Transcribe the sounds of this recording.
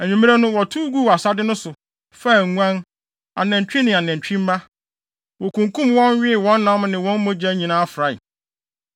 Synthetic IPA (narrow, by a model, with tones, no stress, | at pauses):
æ˨ɲᶣĩ˨mĩ˦a˦nʊ̃˦wɔ˨tʰu˦ɡu˦wa˨sa˦dɪ˦nʊ̃˦sʊ˨ | fa˦˨ŋʷ˦ã˦n | a̰˨nɛ̃˨ɲ˨t͡ɕᶣĩ˦nɪ̃˨a˨nɛ̃˨n˨t͡ɕᶣĩ˦m˦ma˦ | wɔ˨kũ˨ŋkʰũ˦mwɔ̃˦n˦ɥɪ˦˨wɔ̃˦n˦nã˦mnɪ̃˨wɔ̃˦n˦mõ˦d͡ʑæ˦ɲĩ˨nãː˦a˦fɾa˨ɪ̰˨